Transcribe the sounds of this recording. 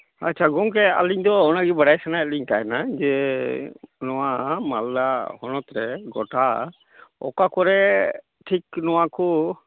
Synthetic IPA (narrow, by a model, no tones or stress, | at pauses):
acːt͡ʃʰaɡɔŋk̬ɛa̰liɲd̪ɔɔnaɡibaɽajsanaɛliɲkaɛnad͡ʒɛ | nɔwamaldahɔnɔt̪ɾɛɡɔʈa | ɔ̰kakɔɾɛ | ʈʰiknɔwakɔ